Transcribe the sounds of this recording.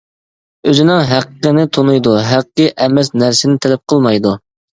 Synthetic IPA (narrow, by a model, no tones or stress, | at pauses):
øzɪnɪŋɦæqəqənɪt̪ʰonujd̪uɦæqːəʔɛmɛsnæɾsɪnɪt̪ʰɛlɛp̚qʰəlˠmɑjd̪u